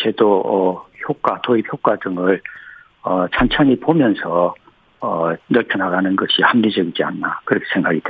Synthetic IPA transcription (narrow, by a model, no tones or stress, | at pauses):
t͡ɕʰe̞doʌçjok͈atoipʰçjok͈adɯŋɯɭ | ʌt͡ɕʰant͡ɕʰaɲipomjʌnsʰʌ | ʌnʌɭpʰjʌnaɡanɯnɡʌɕʰihamɲid͡ʑʌɡid͡ʑia̰nːakɯɾʌkʰesʰe̞ŋɡwaɡide